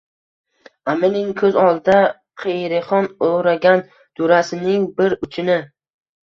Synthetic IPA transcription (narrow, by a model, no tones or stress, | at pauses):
amɪnɪŋkʰɵzɒlˠd̪a | qʰejɾɪχɒnoɾaɡʲan | d̪̥ʊɾasɪnɪŋbɪɾʊt͡ʃʰɪnɪ